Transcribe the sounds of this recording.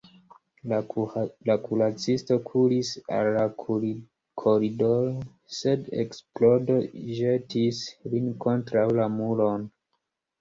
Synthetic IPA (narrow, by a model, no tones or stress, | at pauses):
lakulat͡sisto̞kʰuɾisa̰lːa | kʰo̞ɾidoɾo | se̞dḛksplo̞do̞ʒetislinko̞ntɾawlamulo̞n